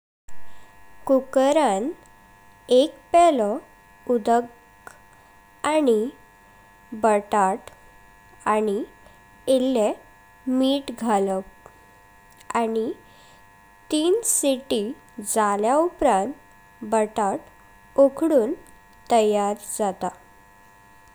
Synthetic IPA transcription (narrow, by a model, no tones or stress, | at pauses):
kukɾan | ek̚pɛlɔ | ud̪ək | ani | bəʈaʈ | ani | elːe | miːʈɡʱalə | ani | t̪iːnsiʈi | d͡zaljaupɾãnt̪ | bəʈaʈ | okʰɽuːn | t̪ːəjaɾd͡zat̪a